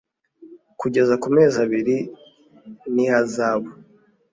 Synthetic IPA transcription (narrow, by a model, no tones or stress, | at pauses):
kuɟe̞zakume̞ːzaβiɾi | nihazaːβo